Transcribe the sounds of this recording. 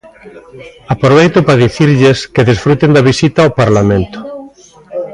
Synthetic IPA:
apɾoβ̞ejt̪ʊpɾaðiθiɾʎeskeðisfɾut̪end̪aβisit̪aopaɾlamẽnt̪ʊ̥

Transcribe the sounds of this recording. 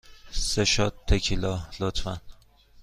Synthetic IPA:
seʃɒt̪ʰːekʰilɒlot̪ʰfæn

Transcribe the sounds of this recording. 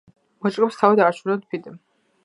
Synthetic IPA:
mɔt͡ʃʼkʼɛpst̪ʰavid̪aɾt͡ʃʰulɛt̪̚pʰid̪ɛm

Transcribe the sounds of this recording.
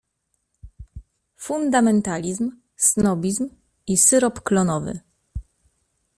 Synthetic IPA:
fund̪amɛnt̪alʲizm | snɔbʲizm | isɘɾɔpklɔnɔvɘ̰

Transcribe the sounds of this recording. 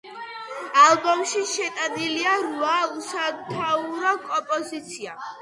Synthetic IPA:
albɔmʃiʃɛt̪ʼaniliaɾuausat̪ʰauɾɔkʼɔpʼɔzit̪sʰia

